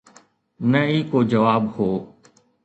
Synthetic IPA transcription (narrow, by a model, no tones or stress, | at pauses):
nəiːkoːd͡ʒəʋaːbhoː